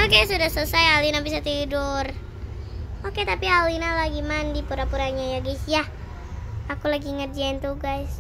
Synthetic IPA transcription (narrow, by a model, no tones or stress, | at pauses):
okesudahsusajalinabisat̪idur | oket̪apialinalaɡimandipuɾapuɾaɲajaɡasja | akulaɡiːŋət̪̚d͡ʒɛnt̪uɡais